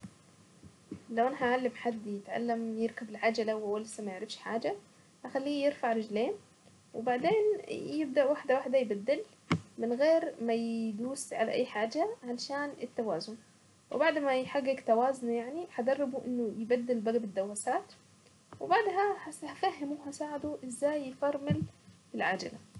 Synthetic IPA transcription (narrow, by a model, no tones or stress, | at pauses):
lawʔanaɦaʕalːamħad̪ːjɪt̪ʕa̰lːamjɪɾkabɪlʕad͡ʒalawʔawːalsamajɪʕɾɪfʃħa̰ːd͡ʒa | haxalːiːjɪɾfaʕɾˤɪd͡ʒleːn | wɪbaʕd̪eːnjɪb̚d̪aʔwaħd̪awaħd̪ajɪbad̪ːɪl | mɪnɣeːɾmajd̪uːsʕala̰ʔajːħaːd͡ʒaʕaʃaːnɪt̪ːawaːzʊn | wɪbaʕd̪majħaɡːɪkt̪awaːzʊnjaʕniħad̪ɑrˤːɪbuʔɪnːʊjɪbad̪ːɪlbaɡabɪd̪ːawːasaːt̪ | wɪbaʕd̪ɦahahafahːɪmuːɦasaːʕad̪uʔɪzːaːjfɑɾˤmɪl | ɪlʕad͡ʒa̰la